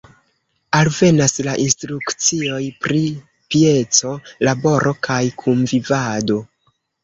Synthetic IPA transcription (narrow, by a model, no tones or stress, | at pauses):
alve̞naslaʔinstɾukt͡sio̞jpɾi | pie̞t͡so̞labo̞ɾʔo̞kajkʰumvivado̞